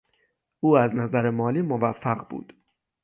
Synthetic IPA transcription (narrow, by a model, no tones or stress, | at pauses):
ʔuːæznæzæɾemɒːliːmovæfːæɢbṵːd̪̥